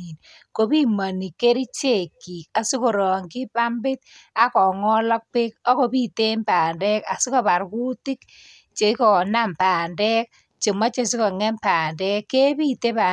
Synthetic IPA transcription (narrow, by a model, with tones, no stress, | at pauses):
i˨n | ko˨pi˦ma˨ni˨kːe˦ɾi˦t͡ʃe˦˨kːi˨ka˨su˦ko˨ɾɔ˨ŋkɪ˦pa˦mbɪ˦t̚a˦kɔ˨ŋɔ˦lɔ˦k̚pe˦k̚ɔ˦ko˨pi˦te˦mpaː˨ndɛ˦ka˨su˦ka˨pa˨ɾku˦ti˦k | t͡ʃe˨kɔ˨na˦mpaː˨ndɛ˦k̚ | t͡ʃe˨ma˦t͡ʃe˦s̬i˦kɔ˨ŋɛ˦mpa˨ndɛ˦kːe˦pi˦te˦pa˨